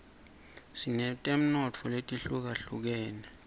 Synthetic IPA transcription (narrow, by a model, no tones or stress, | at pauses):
sinɛtʼem̩nɔt͡fʰɔletʼiɬuk̬aɬuk̬ɛːnɛ